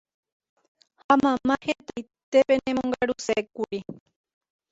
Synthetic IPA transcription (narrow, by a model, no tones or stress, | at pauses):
hamãmãhẽt̪ajt̪e̞pe̞nẽmõŋɡaɾusekuɾi